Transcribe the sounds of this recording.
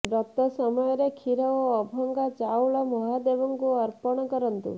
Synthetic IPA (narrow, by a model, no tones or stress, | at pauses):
bɾɔt̪ɔsɔmɔjɔɾekʰiɾɔɔːbʱɔŋɡat͡ʃawɭamɔɦad̪ebɔŋkuɔɾpɔɽ̃ɔkɔɾɔnt̪ṵ